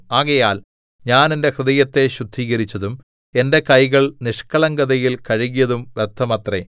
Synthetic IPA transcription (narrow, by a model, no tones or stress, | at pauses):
aːɣɐjaːl | ɲaːne̞nde̞krɨðɐjɐt̪ːe̞ɕud̪ʱːiːɣɐɾit͡ɕːɐðum | e̞nde̞kɐjɣɐɭniʂkɐɭɐŋɡɐðɐjilkɐɻiɣijɐðumʋert̪ʰːɐmɐt̪re